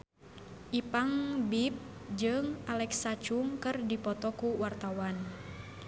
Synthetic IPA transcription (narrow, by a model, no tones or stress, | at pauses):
ʔipaŋbip̚d͡ʒɨŋʔalɛksat͡ʃuŋkɨrdipɔt̪ɔkuwart̪awan